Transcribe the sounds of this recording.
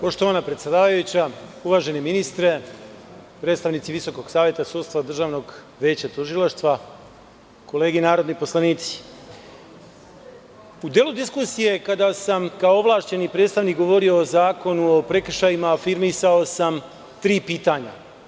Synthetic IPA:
po̞ʃt̪o̞ʋaːnapɾet̪sjed̪aːʋajut͡ɕauʋaːʒe̞neminist̪ɾe̞ | pɾed̪st̪aʋnit̪siʋiso̞ko̞ɡsaːʋjet̪asuːd̪st̪vad̪r̩ʒaːʋno̞ɡ | ʋeːt͡ɕat̪uʒilˠaʃt̪ʋa | ko̞le̞ːɡinaːɾod̪nipo̞slˠaniːt̪si̥ | ud̪jelud̪iskusije̞kad̪asamkaooʋlˠaːʃt͡ɕe̞nipɾet̪st̪aʋniːkɡo̞ʋo̞ɾijo̞ːzaːko̞nuopɾe̞kr̩ʃajimafiɾmisao̞sam | t̪ɾiːpiːt̪aːɲa̰

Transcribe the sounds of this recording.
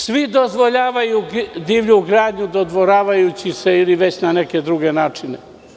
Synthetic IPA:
sʋid̪o̞zʋo̞ʎaːʋajud̪iːʋʎuɡɾaːd̪ɲud̪o̞d̪ʋoɾaːʋajut͡ɕise̞iliʋe̞t͡ɕnaneke̞d̪ɾuɡe̞naːt͡ʂinḛ

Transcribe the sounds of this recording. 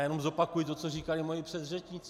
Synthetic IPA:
jɛno̞mzo̞pakujɪt̪o̞t͡soriːkalɪmojɪpr̥ɛd̪rɛt͡ʃɲɪt͡s

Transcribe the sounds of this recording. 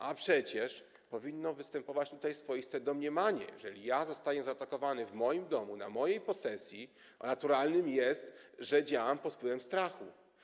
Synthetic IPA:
ʔapʂɛt͡ɕɛʂ | pɔvʲinːɔvɘst̪ɛmpɔvat͡ɕt̪ut̪ajsfɔjist̪ɛd̪ɔmɲɛmaɲɛ̰jɛʐɛlʲijazɔst̪ajɛzaːt̪akɔvanɘvmɔjimd̪ɔmuna̰mɔjejpɔsɛsʲjḭ | nat̪uɾalnɘmjɛst̪ʐɛd͡ʑawampɔt̪pwɘvɛmst̪ɾaxu

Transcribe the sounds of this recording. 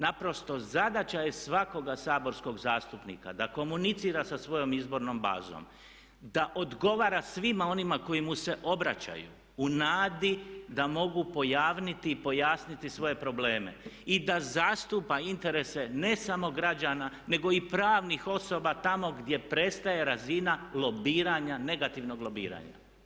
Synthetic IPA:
napɾo̞st̪o̞zad̪at͡ɕajesʋako̞ɡasaːbo̞ɾsko̞ɡzaːst̪upnḭka̰d̪ako̞munit̪siːɾasasʋo̞jo̞mizbo̞ɾno̞mba̰ːzo̰m | d̪aʔo̞d̪ɡo̞ʋaːɾasʋimao̞nimako̞jimuse̞ʔo̞bɾat͡ɕa̰jṵː | naːd̪id̪amo̞ɡupo̞jaːʋnit̪iːpo̞jaːsnit̪isʋo̞je̞pɾo̞ble̞ːme̞̰id̪azast̪upaint̪e̞ɾe̞se̞ne̞samo̞ɡɾad͡ʑaːnane̞ɡo̞ipɾaːʋnixo̞so̞bat̪amo̞ɡd̪ʲje̞pɾe̞t̪st̪aje̞ɾazinalo̞biːɾaɲane̞ɡat̪iʋno̞ɡlo̞biːɾa̰ɲa̰

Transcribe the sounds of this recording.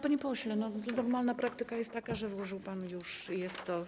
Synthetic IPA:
paɲipɔɕlɛnɔnɔɾmalnapɾak̚t̪ɘkajɛst̪ːakaʐɛzwɔʐɨwpanjuʂjɛst̪ːɔ

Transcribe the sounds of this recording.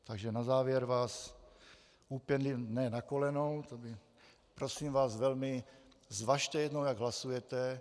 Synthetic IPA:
t̪aɡʒɛnazaːvjɛɾvaːs | uːpɛnlinɛːnakolɛnowt̪obɪ | pɾosiːmvaːsvɛlmɪ | zvaʃt̪ɛjɛd̪nowjaɡɦlasujɛt̪ɛ

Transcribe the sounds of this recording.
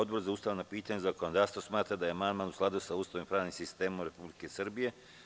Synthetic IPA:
od̪bo̞ɾzauːst̪aʋnapiːt̪aɲezakonod̪aːvst̪ʋosmaːt̪ɾad̪ajemanmanusklˠad̪usauːst̪aʋompɾaːʋnimsist̪eːmomɾe̞publikesr̩bije̞

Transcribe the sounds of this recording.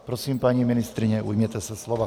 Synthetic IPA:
pɾɔsiːmpaɲiminist̪ɾiɲɛʔṵjmjɛt̪ɛsaslˠɔʋa

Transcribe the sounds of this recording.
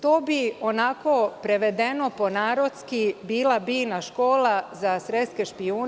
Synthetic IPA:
t̪oːbio̞nako̞pɾeʋe̞d̪eno̞po̞naːɾo̞t̪skibiːlˠabiːnaʃko̞ːlazasɾet̪skeʃpiuː

